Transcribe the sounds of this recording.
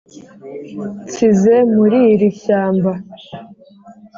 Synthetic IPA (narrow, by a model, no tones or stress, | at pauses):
t͡size̞muɾiɾiçaːmba